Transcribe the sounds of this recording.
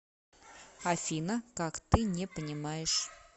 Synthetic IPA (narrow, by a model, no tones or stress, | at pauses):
afʲinəkakt̪ɨnʲepənʲɪmajɪʂ